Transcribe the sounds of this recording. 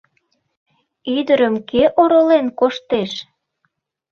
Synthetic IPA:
yd̪əɾəmkeʔoɾolenkoʃt̪eʃ

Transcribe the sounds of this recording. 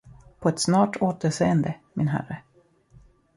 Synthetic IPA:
pʰɔɛt̪snɑːʈoːt̪əɾʂeːənd̪əmɪnɦæ̰rə

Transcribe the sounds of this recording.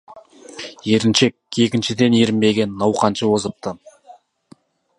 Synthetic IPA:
je̞ɾɪnʃe̞k̚e̞kʲɪnʃɪd̪e̞neɾɪmbe̞ɡʲe̞nːɑwqɑnʃəwo̞zəp̚t̪ə

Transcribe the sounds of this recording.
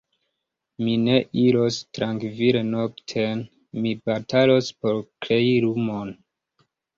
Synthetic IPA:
mine̞ʔiɾostɾaŋkvilenoktʰen | mibatʰalo̞spo̞ɾkɾe̞iɾumon

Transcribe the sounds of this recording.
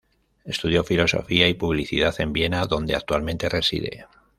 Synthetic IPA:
e̞st̪uð̞jo̞filo̞so̞̰fiaipuβliθiðaθe̞mbje̞naðo̞nd̪e̞a̰k̚t̪ualmẽ̞nt̪e̞resḭð̞e̞̰

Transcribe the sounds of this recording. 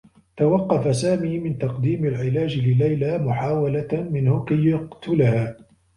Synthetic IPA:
t̪awɑqːɑfasaːmiːmɪnt̪ɑqd̪iːmalʕɪlaːd͡ʒlɪlajlaːmʊħaːwalamɪnhʊkajːʊqt̪ʊlhaː

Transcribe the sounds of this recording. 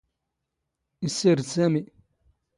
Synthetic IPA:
isiɾsæmi

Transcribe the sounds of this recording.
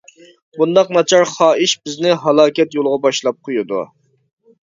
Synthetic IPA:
bund̪ɑqnɑt͡ʃʰɑɾχɑːiʃbɪznɪɦɑlˠɑːkʲɛt̪jolˠʁɑbɑʃlˠɑp̚qʰojud̪ṵ

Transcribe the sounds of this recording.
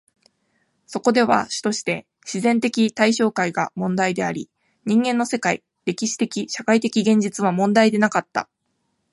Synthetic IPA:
so̞ko̞d̪e̞β̞a̰ɕɨ̥t̪o̞ɕi̥t̪e̞ | ɕizẽ̞nt̪e̞kʲit̪aiɕo̞ːkaiɡamõ̞nd̪aid̪e̞aɾʲi | ɲ̟ĩŋɡẽ̞nːo̞se̞kaḭ | ɾe̞kʲiɕi̥t̪e̞kʲiɕakait̪e̞kʲiɡẽ̞ɲ̟d͡ʑit͡sɨβamõ̞nd̪aid̪e̞nakat̪ːa̰

